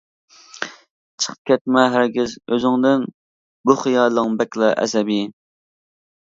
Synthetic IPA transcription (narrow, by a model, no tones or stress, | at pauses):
t͡ʃʰə̥qʰə̥p̚kʲʰɛt̪̚mɛɦæɾɡʲizøzɪŋd̪ɪn | buχijɑlˠəŋbɛkʲlˠɑʔɛ̰sɛbi